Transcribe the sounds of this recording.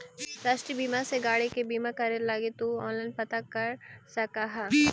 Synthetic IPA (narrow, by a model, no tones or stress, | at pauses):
ɾaːʃʈɾibiːmaseɡaːɽikebiːmakɐɾelaːɡet̪uɔ̃ːnlãɪnpɐt̪akɐɾsɐkaɦa